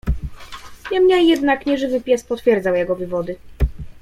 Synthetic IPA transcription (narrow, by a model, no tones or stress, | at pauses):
ɲɛmɲɛjɛd̪nakɲɛʐɘvɘpʲjɛspɔt̪fʲjɛɾd̪zawjɛɡɔvɘvɔd̪ɘ